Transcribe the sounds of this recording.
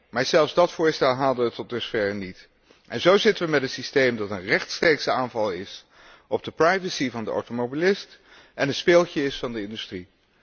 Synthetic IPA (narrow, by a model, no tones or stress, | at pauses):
maːɹzɛlˠfszdɑtfʊːɹstɛlˠɦaːlˠdəʋətːɔt̚dɵsfɛɹnit | ʔɛnzowzɪtəʋəmɛtənsistejmdɑtənrɛχtstrejksaːnvɑlˠɪs | ɔb̚dəprɑjvəsivɑndəo̰wtomobilɪst | ʔɛnənspɪːlˠtəɪsfɑndəɪndystri